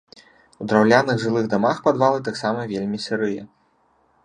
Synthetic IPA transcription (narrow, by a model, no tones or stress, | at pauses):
ud̪ɾawlʲanɨɣʐɨlˠɨɣd̪amaxpad̪valˠɨt̪aksamɐvʲelʲmʲisʲɨɾɨjɛ